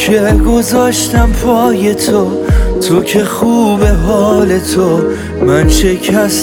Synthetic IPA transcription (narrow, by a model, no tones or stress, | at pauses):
kʰeɡo̞zɒːʃt̪æmpʰɒːje̞t̪ʰo | t̪ʰokʰe̞χuːbe̞ɦɒːle̞t̪ʰo | mænʃe̞cʰæs